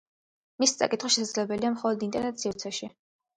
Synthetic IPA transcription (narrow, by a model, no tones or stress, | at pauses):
misi̥t̪sʼa̰kʼit̪ʰχaʃɛsad̪zlɛbɛliamχɔlˠɔd̪int̪ʼɛɾnɛt̪siɾt̪sʰɛʃi